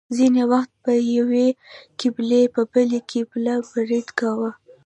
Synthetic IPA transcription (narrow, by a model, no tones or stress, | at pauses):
zinewaxt̪̚pəjawekiblepəbəlekʰiblabaɾid̪kawə